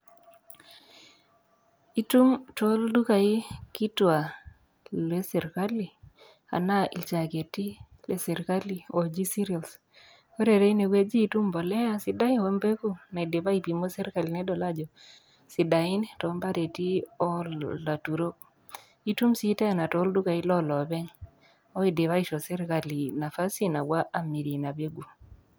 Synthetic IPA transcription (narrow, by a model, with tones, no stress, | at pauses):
i˦tu˦mtɔ˦ldu˦ka˨ɪ˦ki˦twa˨ | lɛ˦sɛ˨ɾka˦li˨ | a̰˨na˦ḭ˨t͡ʃa˨ke˨ti˦ | lɛ˨sɛ˨ɾka˦li˨ɔ˨d͡ʒi˦si˦ɾia˨ls | ɔ˦ɾe˨ɾe˦i˦ne˨we˦d͡ʒiː˦tu˦mbɔ˨lɛ˦a˦sɪ˦da˦ɪ˦nwo˦mbe˦ku˦na˨i˨de˨ba˦i˨pi˨mo˦sɛ˦ɾka˨li˨nɛ˦dɔ˨la˦d͡ʒɔ˨ | si˨da˨ɪ˦nitɔ˨˦mba˦ɾe˨ti˦ɔ˦la˨tu˨ɾo˦ | i˦tu˦msi˦tɛ˦˨na˨tɔ˨˦ldu˦ka˨i˦lɔ˦lɔ˨bɛ˦ŋ | ɔ˦i˨de˨βa˦i˦ʃɔ˨sɛ˦ɾka˨li˨na˨fa˦si˦na˨wa˦ʔa˦mi˨ɾi˨na˨be˦ɡu˨